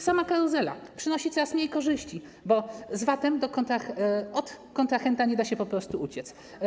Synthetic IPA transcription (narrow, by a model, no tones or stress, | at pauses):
samakaɾuzɛla̰pʂɘnɔɕit̪ɾasmʲɲejkɔʐɘɕt͡ɕi | bɔzvat̪ɛmd̪ɔkɔnt̪axɔt̪kɔnt̪axɛnt̪aɲɛd̪aɕɛpɔpɾɔst̪uut͡ɕɛt̪s